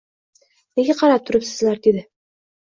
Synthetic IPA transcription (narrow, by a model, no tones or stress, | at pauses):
neɡʲaqʰɑɾap̚t̪ʰʊɾɪpsɪzlaɾd̪ed̪ɪ